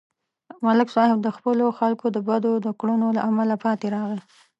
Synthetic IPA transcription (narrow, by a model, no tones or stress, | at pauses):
malɪksɑhɪb̚d̪əxpəloxalkod̪əbad̪od̪əkɽunola̰ʔamalapɑt̪eɾɑɣə